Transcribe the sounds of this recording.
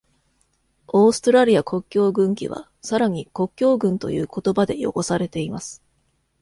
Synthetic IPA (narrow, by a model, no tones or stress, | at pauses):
o̞ːsɨ̥t̪o̞ɾaɾʲiakʰo̞kʲːo̞ːɡɯ̟̃ŋkʲḭβ̞a̰ | saɾaɲ̟iko̞kʲːo̞ːɡɯ̟̃nt̪o̞̰jɯ̟̰ːko̞t̪o̞bad̪e̞̰jo̞̰ko̞saɾe̞t̪e̞imasɨ̥